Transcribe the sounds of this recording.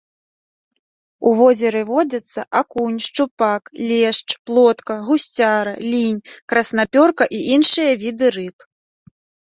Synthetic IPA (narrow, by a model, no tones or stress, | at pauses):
uvɔzʲɛɾɨvɔd͡zʲɐt̪sːɐ̰ʔakunʲʂt͡ʂupaklʲɛʂt͡ʂplˠɔt̪kɐɣusʲt͡sʲaɾɐlʲinʲkɾɐsnapʲɔrkɐʔiʔinʂɨjɐvʲid̪ɨɾɨp